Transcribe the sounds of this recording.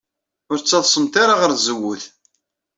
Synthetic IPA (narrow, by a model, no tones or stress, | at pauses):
ʊɾt͡sːɑðˤsˤəmt̪aɾaʁəɾzəwːʊθ